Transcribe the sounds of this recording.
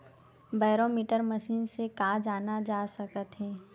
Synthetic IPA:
baːɾoːmiːʈəɾməʃiːnsekaːd͡ʒaːnad͡ʒaːsɐkət̪ɦɛ̃ː

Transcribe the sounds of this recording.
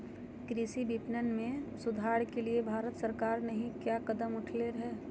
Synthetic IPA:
kɾiːsibipnənmẽsʊd̪ʱaːɽkeliebʱaːɾət̪səɾkaːɾnɐɦĩkjaːkɐd̪əmʊʈʰleɾɐɦeː

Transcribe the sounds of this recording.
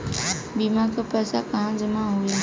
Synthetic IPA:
biːmãkʰepɛːsakaɦãd͡ʒəmãɦui

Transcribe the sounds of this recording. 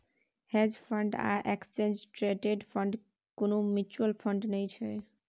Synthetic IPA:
hed͡ʑfʌɳɖa̰ʔɛksensʈɾeʈeɖfʌɳɖ | konomut͡ɕualfʌɳɖnejt͡ɕʰe

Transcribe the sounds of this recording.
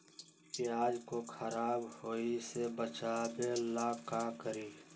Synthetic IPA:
iaːd͡ʒkokʰəɾaːbhoːisebət͡ʃabelaːkakəɾiː

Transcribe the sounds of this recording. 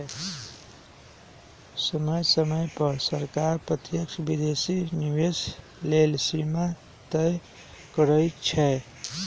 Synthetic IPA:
səməjsəməjpəɾsəɾkaɾpɾət̪jəkʃʰbid̪esiniwes | lelsima | t̪əj | kəɾəjt͡ʃʰɛ

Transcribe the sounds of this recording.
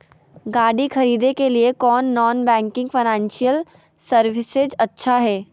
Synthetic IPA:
ɡaːɽixɐɾiːd̪ekeliekɔːnːɔːnbɛ̃ːŋkɪ̃ŋɡfʰɐɪnɛ̃ːnʃijəl | sɐɾʋɪsɪd͡ʒɐtːʃʰaɦɛː

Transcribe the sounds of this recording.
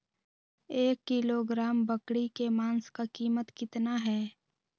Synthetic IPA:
eːkːɪloɡɾaːmbəkɽikemaːnskakiːmət̪kɪt̪naɦɛː

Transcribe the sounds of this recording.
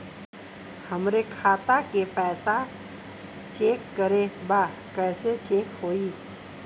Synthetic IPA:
həmɾekʰaːt̪akepɛːsa | t͡ʃeːkːəɾẽbaː | kɛːset͡ʃeːkhoːiː

